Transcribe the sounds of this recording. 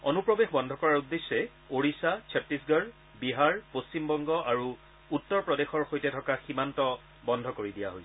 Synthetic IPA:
onupɹɔbexbɔndʱɔkɔɹaɹudːesːɛ | oɹisat͡ʃʰɛpːisɡəɹ | biɦaɹpost͡ɕimbɔŋɡɔʔaɹu | utːɔɹpɹɔdexɔɹxojtɛtʰɔkaximantɔ | bɔndʱɔkoɹidija̰ɦojsɛ

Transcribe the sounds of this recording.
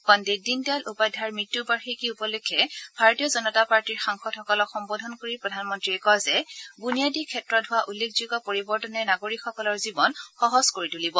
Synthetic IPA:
kɔndedindialʔupajdʱaɹmɹitːubaɹxikiupɔlukʰːɛbʱaɹotijɔzɔnɔtapaɹtiɹxaŋxɔtxɔkɔlɔkxɔmbɔdʱɔnkoɹipɹɔdʱanmɔntɹiɛkɔjzɛbunijadikʰːɛtɹɔdʱʊwaʔulːekʰzuɡɔpoɹibɔɹtɔnɛnaɡoɹikxɔkɔlɔɹzibɔnxɔɦɔskoɹitulibɔ

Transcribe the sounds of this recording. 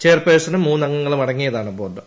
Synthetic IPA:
t͡ɕeːrpeːsɐnumːuːnɐŋːɐŋːɐɭumɐɽɐŋːijɐðaːɳɨboːrɖɨ

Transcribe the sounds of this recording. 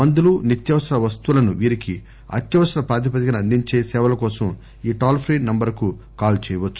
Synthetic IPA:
mɐnd̪ulunit̪jɐʋɐsɐɾɐʋɐst̪uulɐnuʋiːɾiki | ɐ̰t̪jɐʋɐsɐɾɐpɾaːd̪ip̬ɐt̪ikɐnɐnd̪iɲt͡ʃe̞ːsɛːʋɐlɐkɔːsɐm | iːʈaːlpʰɾiːnɐmbɐɾku | kaːlt͡ʃɛːjɐʋɐt͡ʃːu

